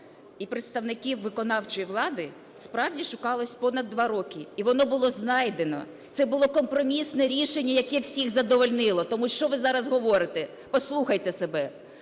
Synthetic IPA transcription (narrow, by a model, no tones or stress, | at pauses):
ipɾɪt̪st̪ɐwnɪkʲiwʋɪkɔnɑwt͡ʃɔjiʋlˠɑd̪ɪ | spɾɑwdʲiʃʊkɑlˠɔsʲpɔnɐd̪ːʋɑɾɔkʲiiʋɔnɔbʊlˠɔznɑjd̪enɔ̰ | t̪sɛbʊlˠɔkɔmpɾɔmʲisnɛɾʲiʃenʲːɐjɐkɛwsʲiɣzɐd̪ɔʋɔlʲnɪlˠɔt̪ɔmuʃt͡ʃɔʋɪzɑɾɐzɦɔʋɔɾɪt̪ɛ | pɔslˠuxɐjt̪ɛsebɛ